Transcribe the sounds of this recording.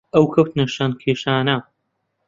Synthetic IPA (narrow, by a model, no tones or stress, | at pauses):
ɐwkʰɐwt̪nɐʃaːnkʰeːʃaːnɐ